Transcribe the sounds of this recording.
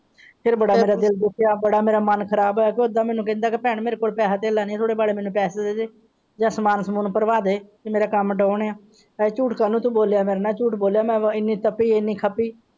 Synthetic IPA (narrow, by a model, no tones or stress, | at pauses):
pʰɪɾbəɽaːmeːɾaːd̪ɪld̪ɪkʰjaːbəɽaːmeːɾaːmənkʰəɾaːboːkeʊd̪ãːmɛ̃ːnũːkɛ̃ːnd̪aːkepɛ̃ːɳmeːɾeːkoːlpɛːsaːt̪eːlaːnĩt̪ʰoːɽeːbaːleːmɛːnũːpɛːseːd̪eːd͡ʒeː | d͡ʒãːsəmaːnsəmuːnpəɾʋaːd̪eːk̪emeːɾaːkəmɖɔːɳeːaː | t͡ʃuːʈʰkaːnũːt̪ũːboːlejaːmeːɾeːnãːt͡ʃuːʈboːljaːmɛ̃ːɪnːiːt̪əpiːɪnːiːkʰəpiː